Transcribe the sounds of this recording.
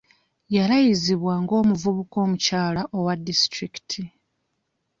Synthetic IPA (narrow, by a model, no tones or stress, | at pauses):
jalajiziβwaŋɡo̞ːmuvuβuko̞ːmucaːlaʔo̞wadːistɾiki̥tʰi